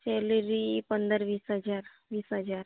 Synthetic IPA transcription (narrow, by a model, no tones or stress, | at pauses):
selɾipənd̪əɾʋiːsɦəd͡ʑaɾ | ʋiːsɦəd͡zaɾ